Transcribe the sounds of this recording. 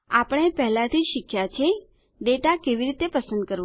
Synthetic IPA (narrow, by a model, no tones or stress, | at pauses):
apəɽ̃epɛɦlãt̪ʰid͡ʒʃikʰjat͡ʃʰe | ɖeʈakeʋiɾit̪epəsənd̪̚kəɾʋ